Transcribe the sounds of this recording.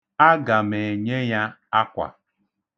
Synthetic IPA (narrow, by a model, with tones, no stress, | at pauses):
a˦ɡa˨me˨e˨ɲe˦ja˦a˦kʷa̰˨